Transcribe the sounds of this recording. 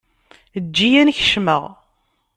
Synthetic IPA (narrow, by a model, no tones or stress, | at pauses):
əd͡ʒːijænç̥ʃməʁ